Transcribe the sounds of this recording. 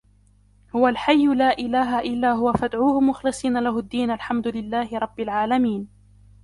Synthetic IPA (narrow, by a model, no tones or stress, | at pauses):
hʊwalħajːʊlaːʔɪlaːɦaʔɪlːaːɦʊwafad̪ʕuːhʊmʊxlɪsˤiːnalaɦʊd̪ːiːnʔalħamd̪ʊlɪlːaːhɪɾˤɑbːɪlʕaːlamiːn